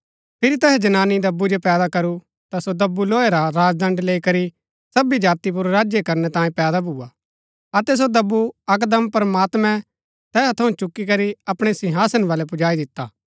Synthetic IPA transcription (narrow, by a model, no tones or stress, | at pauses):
pʰɪɾit̪ɛɦɛd͡ʒɐnaːnːid̪ɐbːud͡ʒopɛːd̪akɐɾu | t̪asod̪ɐbːuloːeɾaɾaːd͡ʒd̪ɐ̃ɳɖleːikɐɾi | sɐbid͡ʒaːt̪ip̬ʊɾɾaːd͡ʒjekɐɾnɛt̪ãːjẽpɛːd̪abʱuːa | ɐt̪ɛs̬od̪ɐbːuɐk̬d̪əmpɾəmaːt̪mɛ̃ | t̪ɛːt̪ʰɐũt͡ʃʊkːik̬ɐɾiɐpɽ̃esɪ̃ɦaːsənʋaːlɛpʊd͡ʒaːid̪ɪt̪ːa̰ː